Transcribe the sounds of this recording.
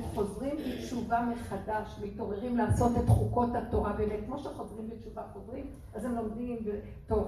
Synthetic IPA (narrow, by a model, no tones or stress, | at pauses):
χo̞zʁimbet͡ʃuvameχadaʃemito̞ʁeʁimlaaːso̞tetχuko̞thato̞ʁabemet̚kmo̞ʃeχo̞zʁimbett͡ʃuvaχozʁim | azemlomdimbe | to